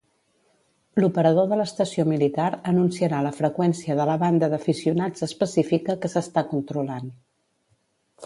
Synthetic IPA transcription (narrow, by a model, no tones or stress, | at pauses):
lupəɾəðoðələst̪əsiomilit̪aɾənunsiəɾaləfɾəkwɛnsiəðələβand̪əðəfisiunad͡zəspəsifikəkəsəst̪akunt̪ɾulan